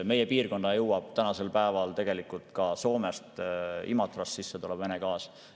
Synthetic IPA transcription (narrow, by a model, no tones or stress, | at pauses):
me̞jepiːrko̞nːɑjɤwɑb̥̚t̪ænɑse̞lpæevɑlt̪e̞ɡ̥e̞likːˑult̪kɑso̞ːme̞st̪imɑt̪ːˑrɑssisːet̪ulɛb̥venekɑːs